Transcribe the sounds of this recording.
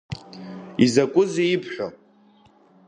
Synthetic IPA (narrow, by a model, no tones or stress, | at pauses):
izakʷʼʊzeipʰħᶣʷa